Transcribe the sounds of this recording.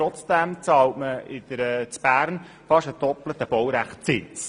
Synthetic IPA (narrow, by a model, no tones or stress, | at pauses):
ɾɔt͡sd̥ɛmt͡sɑːltməɪd̥̪əɾɛt͡sb̥æːɾn | fɑʃədɔplət̪əb̥ɔwɾæχt̚t͡sɪnt͡s